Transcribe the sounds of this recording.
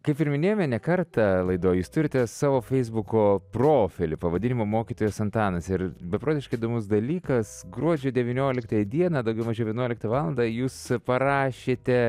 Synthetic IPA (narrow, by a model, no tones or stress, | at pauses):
kɐɪpɪɾmʲɪnʲeːjomʲɛnʲɛkɐrt̪ɐlˠɐɪd̪oːjjuːst̪ʊɾʲɪt̪ʲɛsɑːʋoːfʲɛɪzbʊkoːproːfʲɪlʲɪpɐʋɐd̪ʲɪnʲɪmoːmoːkʲiːt̪oːjoːsɐnt̪ɑːnɐsɪɾbʲɛpɾoːd̪ʲɪʃkɐɪid̪oːmʊsd̪ɐlʲiːkɐsɡɾuɔd͡ʒʲʊːd̪ʲɛʋʲɪnʲoːlʲɪkt̪ɐjɛd̪ʲiɛnɐːd̪ɐʊɡʲɛʊmɐʒʲɛʊʋʲjɛnuɔlʲɪkt̪ɐʋɑːlˠɐnd̪ɑjuːspɐɾɑːʃʲeːt̪ʲɛ